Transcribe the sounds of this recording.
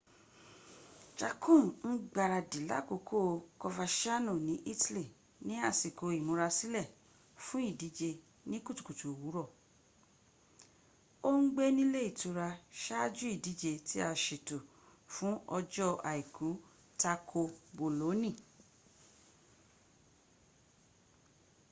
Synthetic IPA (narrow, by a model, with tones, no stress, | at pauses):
t͡ʃa˧kʰũ˦˨n̩˦ɡ͡ba˧˨ɾa˧di˨la̰˦ko˨˧˦kʰo˦˨˧kɔ˧fa˧ʃa˦nũ˦˨nĩ˨˦ʔi˦ti˦li˦˨ | nĩ˨˦a˦˨si˨ko˨˧i˨mũ˧ɾa˧si˦lɛ˦˨ | fũ˦i˦˨di˨˦d͡ʒe˧ | nĩ˦ku˦tu̥˨ku˨tu˨wu˨˦ɾɔ˦˨ | o˦ŋ̩˦ɡ͡be˦nĩ˦le˦i˦˨tu˧ɾa˧ʃa˦d͡ʒu˦i˦˨di˨˦d͡ʒe˧ti˦a˧˨ʃe˨to˨ | fũ˨˦ɔ˧d͡ʒɔ˦ʔa˨i˨kʰu˨˦ | ta˧kʰo˧bo˨lo˨˦nĩ˦˨